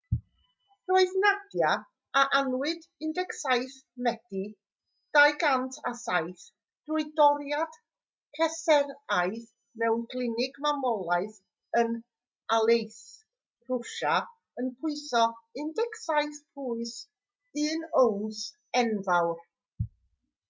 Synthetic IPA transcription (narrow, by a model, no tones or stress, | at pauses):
roɨðnad̥ja | aʔanwɪd | ɪndɛksajθmɛd̥i | d̥ajɡantʰasajθ | d̥uɨdɔɾjad̥ | kʰɛsɛɾajθ | mɛwnkʰlˠɪnɪɡmamɔlˠaɨθ | ən | alˠejθ | r̥ʊʃa | ənpʰʊɨθɔɪndɛksajθpʰuɨs | ɨːnowns | ɛnvawr